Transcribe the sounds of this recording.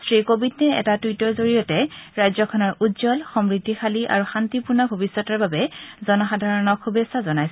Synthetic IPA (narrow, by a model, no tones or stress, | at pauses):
stɹikobʱidnɛɛ̰tatitɔzoɹijɔtɛɹajzɔkʰɔnɔɹʔudzɔlxɔmɹidʱːixaliʔa̰ɹuxantipunabʱobisːɔtɔɹbabɛzɔnɔxadʱaɹɔnɔkxubesazɔnajsɛ